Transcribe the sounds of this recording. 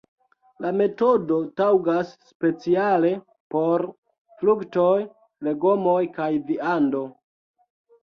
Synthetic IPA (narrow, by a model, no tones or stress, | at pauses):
lame̞to̞do̞tawɡasːpe̞t͡siale̞ | po̞ɾ | flukto̞j | le̞ɡo̞mo̞jkajviando̞